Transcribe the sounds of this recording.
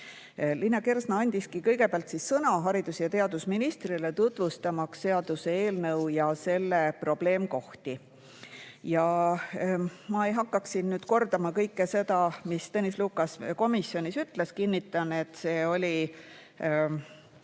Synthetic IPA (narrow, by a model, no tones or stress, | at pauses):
linːɑke̞rsnɑɑnʲd̪̥iskikɤjɡe̞peɑlt̪sisːɤnɑɦɑɾid̪̥usjɑt̪e̞ɑd̪̥usminist̪rilet̪ut̪vust̪ɑmɑkst̪e̞ɑd̪use̞e̞ːlnɤwjɑse̞lːepro̞b̥le̞ːmko̞ht̪i | jɑ | mɑe̞jɦɑkːɑksinnyːd̪̥ko̞rd̪ɑmɑkɤjkːese̞d̪̥ɑmist̪enisluːkːɑsko̞misːjo̞nʲisyt̪ˑleskinʲːit̪ːˑɑne̞t̪ːˑse̞ːo̞lʲi